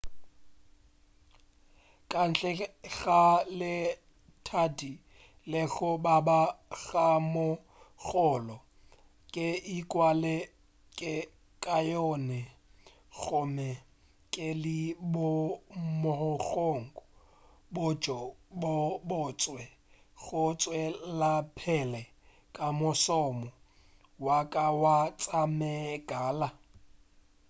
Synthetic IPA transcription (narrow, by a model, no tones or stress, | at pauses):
kʼan̩ɬʼɛɣalɪ | tʰadi | lɪɣɔbabaɣamʊ | ɣɔlɔ | kʼɪikʼwalɪ | kʼɪ | kʼajɔnɛ | ɣʊmɛ | kʼɪlɪbʊmʊhɔɣoŋ̩kɔ | bʊd͡ʒɔbɔbʊt͡sʼwɛ | ɣʊt͡sʼwɛlapʰɛlɛ | kʼamʊsɔmɔ | wakʼawat͡sʼamɛɡaːla